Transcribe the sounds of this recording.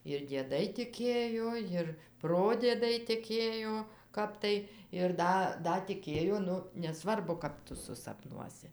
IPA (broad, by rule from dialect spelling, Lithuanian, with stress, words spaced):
ɪr dʲiɛˈdɐɪ tʲɪˈkʲeːjoː ˈjɪr ˈproːdʲiɛdɐɪ tʲɪˈkʲeːjoː ˈkɐp tɐɪ ɪr ˈdɐ ˈdɐ tʲɪˈkʲeːjoː ˈnʊ nʲɛˈsʋɐrbʊ ˈkɐp tʊ sʊsɐpˈnuɔsʲɪ